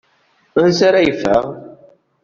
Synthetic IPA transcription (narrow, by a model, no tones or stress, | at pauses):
ənsaɾajfə̰ʁ